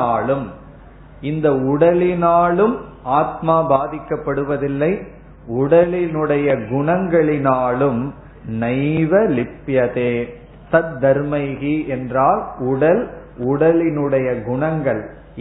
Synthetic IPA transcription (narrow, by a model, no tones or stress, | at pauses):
aːlɯm | ɪnd̪ɐʊɽɐlɪnaːlɯm | aːt̪̚maːbaːðɪkːɐpːɐɽɯʋɐðɪlːɐɪ | ʊɽɐlɪnɯɽɐjɐɡʊɳɐŋɡɐɭɪnaːlɯm | nɐɪʋɐlɪpːjɐðeː | sɐt̪̚d̪ɐɾmɐɪɣiʔɛndraːlʊɽɐlʊɽɐlɪnɯɽɐjɐɡʊɳɐŋɡɐɭ